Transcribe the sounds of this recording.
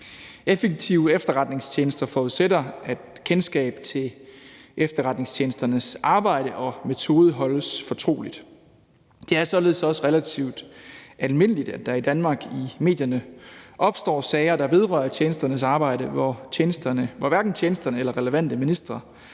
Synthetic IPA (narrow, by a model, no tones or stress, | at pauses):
efeɡ̥̚t͡sʰiʊefd̥ɐʁɑ̈d̥ne̝ŋst͡ɕʰje̝ːnəsd̥ɐfɒːuðˠsed̥ɐæd̥kʰensɡ̥ɛ̰ːb̥t͡sʰe̝lʔefd̥ɐʁɑ̈d̥ne̝ŋst͡ɕʰje̝ːnəsd̥ɐnəsʔɑ̈ːb̥ɑ̈ɪ̰ɾəʔɒ̽me̝t͡sʰo̝ːð̞ˠəɦɒ̽ləsfɒ̽t͡sʰʁo̝̰ːlid̥ | d̥e̝æɐsɒ̽le̝ð̞ˠsɒ̽səʁelæt͡sʰiʊ̰d̥ʔælme̝n̰əlid̥æd̥ɑ̈id̥ænmɑ̈ːɡ̥ime̝̰ːdjɐnəʔɒ̽b̥sd̥ɒ̰ːsɛɪɐd̥ɑ̈be̝ð̞ˠʁɶɐt͡ɕʰjeːnəsd̥ɐnəs̬ɑ̈ːb̥ɑ̈ɪ̰ɾəʋɒeːnəsd̥ɐnəʋɒʋæɐɡ̥n̩t͡ɕʰeːnəsd̥ɐnəelɐʁɛləʋæn̰d̥əminisd̥ʁɐ